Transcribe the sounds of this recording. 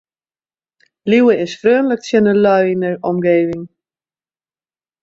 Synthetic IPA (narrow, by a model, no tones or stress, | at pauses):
liwəɪsfrøːnləktsjənəlœɥinəɹɔmɡeːvɪŋ